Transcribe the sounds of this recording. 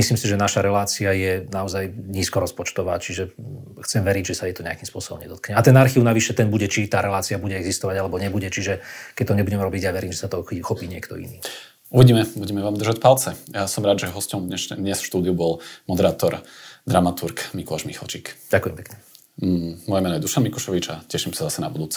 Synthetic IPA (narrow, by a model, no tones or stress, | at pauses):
misliːmsiʒɛnaʃaɾɛlaːt͡siajɛnaɔzajɲiːskɔɾɔspɔt͡ʃt̪ɔʋa̰ːt͡ʃiʒɛ | xt͡sɛmʋɛɾiɟʒɛsajɛt̪ɔɲɛakiːmspʊɔ̰sɔbɔ̰mɲɛd̪ɔt̪̚kɲɛat̪ɛnaɾxiːʊnaʋiʃɛt̪ɛnbuɟɛt͡ʃit̪aːɾɛlaːt͡siabuɟɛɛɡzist̪ɔʋaɟalɛbɔɲɛbuɟɛt͡ʃiʒɛkɛc̚t̪ɔɲɛbuɟɛmɾɔbiɟjaʋɛɾiːmʒɛsat̪ɔxixɔpiːɲɪɛ̰kt̪ɔ̰ḭnḭː | uʋiɟiːmɛbuɟɛmɛʋaːmd̪rʒacpalt͡sɛjasɔmɾaːd̪ʒɛɦɔscɔmd̪ɲɛʃd̪ɲɛsfʃt̪uːd̪iubɔlmɔd̪ɛɾaːt̪ɔɾd̪ɾamat̪uɾkmikɔlaʒmixa̰lt͡ʃikɟ̥akujɛmpɛ̥kɲɛ | mɔjɛmɛːnɔjɛd̪uʃanmikuʃɔʋit͡ʃacɛʃimsazasɛna̰bud̪uːt͡sɛ